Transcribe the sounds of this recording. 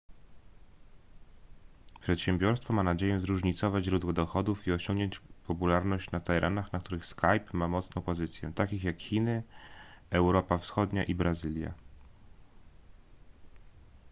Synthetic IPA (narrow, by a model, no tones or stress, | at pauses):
pʂɛt̪ɕɛmbʲɔɾst̪fɔmanad͡ʑejɛzɾuʐɲit̪sɔvad͡ʑʑɾud̪wɔd̪ɔxɔd̪ufiɔɕɔŋɡɲɔɲt͡ɕpɔpulaɾnɔɕt͡ɕnat̪ɛɾʔa̰naxnak̚t̪uɾɘxskajpmamɔt̪snɔ̃w̃pɔzɘt̪sʲjɛ̰t̪akʲixjakxʲinɘ | ɛwɾɔpafsxɔd̪ɲaʔibɾazɘlʲja̰